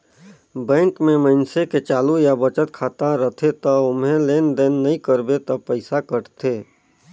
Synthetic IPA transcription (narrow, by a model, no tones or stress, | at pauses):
bɛ̃ːŋkmẽməɪnseket͡ʃaːlujabət͡ʃət̪̚kʰaːt̪aɾət̪ʰet̪əʊmɦẽleːnd̪eːnːəĩkəɾbet̪əpəɪsakəʈt̪ʰeː